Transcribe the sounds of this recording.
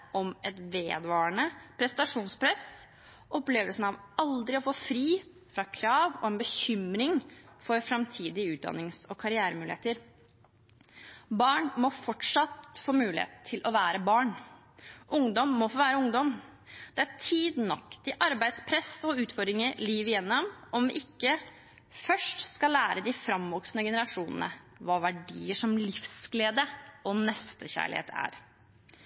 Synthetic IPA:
ʔɔmʔɛt̪ʋeːd̪ʋɑːɳəpʰɾɛsnɑʂuːnspʰɾɛs | ʔɔpleːʋəlsn̩ɑʋɑld̪ɾɪɔfoːfɾiː | fɾɑkʰɾɑːʋɔɛnbəçʏmɾɪŋfɔɾfɾɑmt̪ʰiːd̪ɪʉːt̪̚d̪ɑ̰nːɪŋsɔkʰɑɾɪæːɾəmʉːlɪeːt̪əɾ | bɑːɳmɔfɔʈʂɑt̪foːmʉːlɪhḛːt̪t̪ʰɪlʔɔʋæːɾəbɑːɳ | ʔʊŋd̪ɔmːɔfoːʋæːɾəʊŋd̪ɔm | d̪̥ɛæt̪ʰiːd̪nɑkt̪ɪʔɑɾbæɪd̪spʰɾɛsɔʉːt̪fɔɖ̪ɾɪŋəɾliːʋɪjɛnːɔmɔmʋɪ̰ʔɪkːə | fœʂʈskɑlæːɾəd̪ɪfɾɑmʋɔksnəɡɛnəɾɑʂuːnənə̰ | ʋɑːʋæɖiːəʂɔmlɪfsɡleːd̪əʔɔnɛst̪əçæ̰ːɭɪ̰hḛːt̪ʰæ̰ːɾ

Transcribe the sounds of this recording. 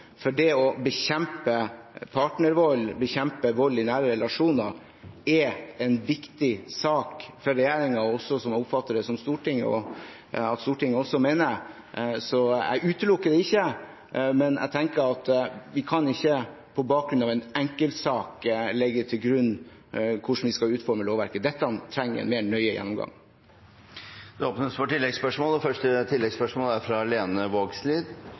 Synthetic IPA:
fɔɖɛɔbəçɛmpəpʰɑʈnəɾʋɔlːbəçɛmpəʋɔlːɪnæːɾəɾɛlɑʂuːnɑɾ | ɛɛnʋɪkt̪ɪsɑːkfɔɾɛjæːɾɪŋɑɔsɔsɔmʊpfɑt̪ːəɖ̪ɛsɔmst̪uːʈɪŋːə̰ɔ̰ | ɑt̪st̪uːʈɪŋːəɔsɔmeːnə | sɔɛ̰ɡʉːt̪əlʊkːəd̪ɛɪçːə | mɛnʔæ̰ɡt̪ʰɛŋkəɾɑt̪ʋɪkʰɑnɪçːə | pʰɔbɑːk̚ɡɾʉnɑːʋɛnɛŋkəlt̪sɑːklɛɡːət̪ʰɪlɡɾʉnː | kʰʊʂn̩ʋɪskɑʉːt̪fɔɾməloːʋæɾkəd̪ɛt̪ːəɑnt̪ʰɾɛŋːəɛ̰nmeːɳœʏəjɛ̰nːɔmɡɑ̰ŋ | d̪ɛoːpnəsfɔʈɪlːɛɡspœʂmɔːləfœʂʈət̪ʰɪlːɛɡspœʂmɔːləæɾfɾɑleːnəʋoːɡsliːd̪

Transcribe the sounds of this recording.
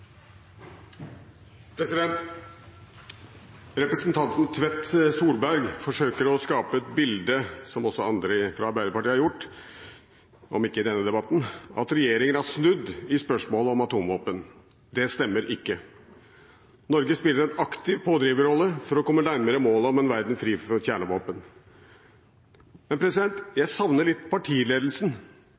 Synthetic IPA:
pʰɾɛsɪd̪ɛnt̪ | ɾɛpɾəsnt̪ʰɑnt̪nt̪ʰʋɛt̪ːsuːɾbæɾɡfɔʂøːkəɾɔskɑːpəɛt̪̚bɪld̪əsɔmɔsːɔɑnd̪ɾɪfɾɑɑɾbæɪd̪əpɑʈiːhɑɾjʊʈː | ʔɔ̰mɪkːəɪd̪ɛnːəd̪ɛbɑt̪n̩ʔɑ̰t̪ɾɛjeːɾɪŋənæʂnʉd̪ːɪspœʂmoːləɔmɑt̪uːmʋoːpən | d̪ɛst̪ɛmːəɾʔɪkːə | nɔɾɡəspɪlːəɾɛt̪ɑkt̪ɪʋpʰoːd̪ɾiːʋəɾɔlːəfɔɾɔkɔmːənæɾməɾəmoːlɔmɛnʋæɾd̪nfɾiːfɔɾçjæːɳəʋoːpən | mɛnpʰɾɛsɪd̪ɛnt̪jæɪsɑʋnəɭɪt̪ːpʰɑʈʰiːleːd̪l̩sn

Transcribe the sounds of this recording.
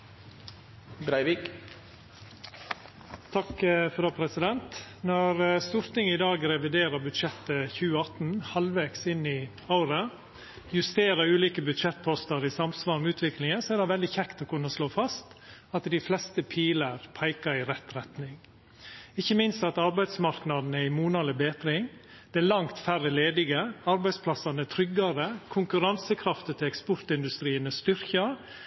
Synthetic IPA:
bɾæɪʋik | t̪ʰɑkfɔɾoːpʰɾɛsɪd̪ɛnt̪nɔɾst̪uːɾt̪ɪŋəɪd̪ɑːɡɾɛʋɪd̪eːɾəɾbʉd̪ʃɛt̪ːəçʉːəɑt̪n̩hɑlʋeːksɪnːɪ | aʊɾə | jʉst̪eːɾəɾʉːliːkəbʉd̪ʃɛt̪̚pʰɔst̪əɾɪsɑmsʋɑːɾmʉːt̪ʋɪklɪŋəsɔæːɾd̪ɛʋɛld̪ɪçɛkt̪ɔkʉnːəsloːfɑst̪ɑt̪d̪ɪflɛst̪əpʰiːləɾpʰæɪkɑɾɪɾɛt̪ɾɛt̪nɪŋ | ɪçːəmɪnst̪ɑt̪ɑɾbæɪd̪smɑɾknɑd̪n̩əɪmuːnɑləbeːt̪ɾɪŋ | d̪̥ɛælɑŋt̪færəleːd̪ɪɡəɑɾbæɪspʰlɑsɑnət̪ʰɾʏɡːɑɾəkʰʊŋkʉɾɑnsəkʰɾɑft̪ət̪ʰɪlɛkspɔɾt̪ɪnd̪ʉst̪ɾiːənəst̪ʏɾçə

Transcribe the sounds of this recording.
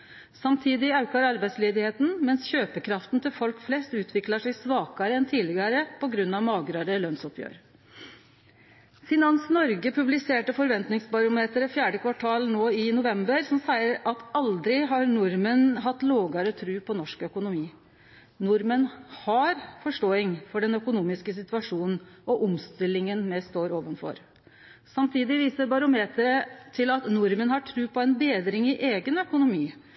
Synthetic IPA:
sɑmt̪ʰiːd̪ɪɑʉkɑɾɑɾbæɪsleːd̪ɪheːt̪n̩mɛnsçøːpəkʰɾɑft̪n̩t̪ʰɪlfɔlkflɛst̪ʉːt̪ʰʋɪkləʂɛɪsʋɑːkɑɾəɛnt̪ʰiːlɪɡəɾəpʰɔɡɾʉnːɑʋmɑːɡɾɑːd̪əlœnsɔpʰjø̰ːɾ | sɪnɑnsnɔɾɡəpʰʉblɪseːʈəfɔɾʋɛnt̪nɪŋsbɑɾʊmeːt̪əɾəfjæːɖəkʰʋɑʈʰɑːlnoːɪnʊʋɛmbəɾsɔmsæɪəɾɑt̪ɑld̪ɾɪɦɑɾnʊɾmənɦɑt̪ːloːɡəɾət̪ʰɾʉːpʰɔnɔʂkœkʊnʊmiː | nʊɾmənhɑɾfɔʂʈoːɪŋfɔɖɛnœkʊnuːmɪskəs̬ɪt̪ʋɑʂuːnn̩ʔɔʔʊmst̪ɪlːɪŋənmɛst̪oːɾoːʋənfɔ̰ɾ | sɑmt̪ʰiːd̪ɪʋiːsəɾbɑɾʊmeːt̪əɾət̪ʰɪlɑt̪nʊɾmənhɑʈʰɾʉːpʰɔɛnbeːd̪ɾɪŋɪʔeːɡənœkʊnʊmiː

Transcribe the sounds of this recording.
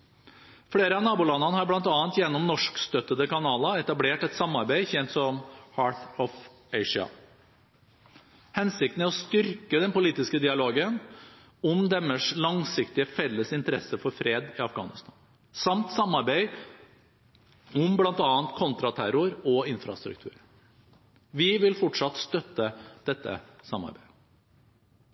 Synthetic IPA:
fɽeːɾəɑnɑːbʊːlɑnːɑnəhɑɾblɑnt̪ɑːənt̪jɛnːɔmnɔʂkst̪œt̪ːəd̪əkɑnɑːlɑɛt̪ɑbleːʈɛt̪sɑmːɑɾbæɪçɛnt̪sɔmhɑːɾt̪ɔf | ɛɪʂɑ̰ | hɛnsɪk̚t̪n̩æɾɔst̪ʏɾkəd̪ɛnpʊliːt̪ɪskəd̪ɪɑloːɡən | ɔmd̪ɛmːəʂlɑŋsɪkt̪ɪəfɛlːəsɪnt̪əɾɛ̰səfɔɾfɾeːd̪ɪɑfɡɑ̰ːnɪst̪ʰɑn | sɑmt̪sɑmːɑɾbeɪ | ɔmblɑnt̪ɑːənt̪kʰɔnt̪ɾɑt̪ʰæɾʊɾɔɪnfɾɑ̰st̪ɾʉ̰k̚t̪ʰʉ̰ːɾ | ʋɪʋɪlfɔʈʂɑt̪st̪œt̪ːəd̪̥ɛt̪ːə̰sɑmːɑ̰ɾbæɪ

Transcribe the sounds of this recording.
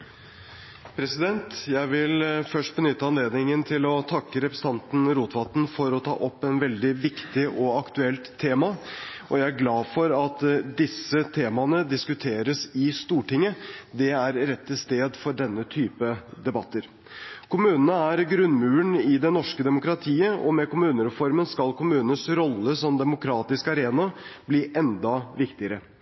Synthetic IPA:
pʰɾɛsɪd̪ɛnt̪jæɪʋɪlfœʂʈ̚bənʏt̪ːəɑnleːd̪nɪŋənt̪ʰɪlɔt̪ʰɑkːəɾɛpɾəsəɑnt̪n̩ɾuːt̪ʋɑt̪n̩fɔɾɔt̪ʰɑ̰ːʔɔpːɛnʋɛld̪ɪʋɪkt̪ɪʔɔɑkt̪ʉɛlt̪ʰːeːmɑʔɔjæɪæɾɡlɑːfɔɾɑt̪d̪ɪsːət̪ʰeːmɑnəd̪ɪskʉt̪ʰeːɾəsɪst̪uːʈɪŋːəd̪ɛæɾɾɛt̪ʰːɪlst̪eːd̪fɔɖɛnːət̪ʰyːpəd̪ɛbɑt̪ːəɾ | kʰʊmʉːnənəæɾɡɾʉnmʉːəɳɪd̪ɛnɔʂkəd̪ɛmʊkɾɑt̪ʰiːəɔ̰mɛkʊmʉːnəɾɛfɔɾmənskɑlkʰʊmʉːnənsɾɔlːəsɔmd̪ɛmʊkʰɾɑːt̪ɪskɑɾeːnɑbliːʔɛnd̪ɑʋɪkt̪ɪəɾə

